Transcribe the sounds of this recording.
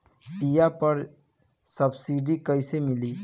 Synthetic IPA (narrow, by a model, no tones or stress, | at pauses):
ijapəɾ | səbsiɖikəɪsemili